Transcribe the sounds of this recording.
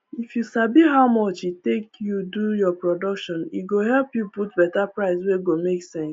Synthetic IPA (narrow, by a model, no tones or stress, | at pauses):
ifjusabiɦaʊmɔt͡ʃitekjudujɔpɹɔdɔkʃɔ̃nḭɡoɦɛlpjuput̚bɛtapɹaɪsweɡomeksɛ̃ŋs